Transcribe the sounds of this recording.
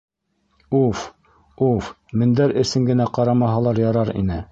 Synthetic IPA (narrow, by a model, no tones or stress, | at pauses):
uf | uf | mɘ̆nd̪æɾɘ̆sɘŋɡɘ̆næqɑɾɑmɑɦɑlˠɑɾjɑɾɑɾḭnɘ